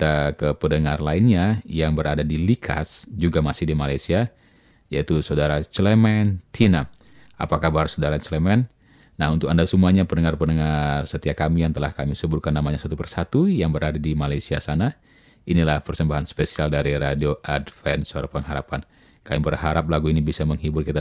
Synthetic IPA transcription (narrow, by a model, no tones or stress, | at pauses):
t̪akəpənəŋarlainɲajaŋbəɾadadilikʰa̰sd͡ʒuɡamasɪhdimalajsia | jait̪usaudaɾat͡ʃlemɛnt̪ʰina | a̰pakahbəarsaodaɾat͡ʃlemɛn | naɦunt̪ʊkandasumuaɲapənəŋarpənəŋarsət̪iakamijaŋt̪əlahkamisəburkanːamaɲasat̪upərsat̪ujaŋbəɾadadimalajsiasana | inilahpərsəmbaɦanspesialdaɾiɾadioʔadfɛnsoɾapəŋɦaɾapan | kajibərɦaɾap̚laɡuinibisaməŋɦibʊrkit̪a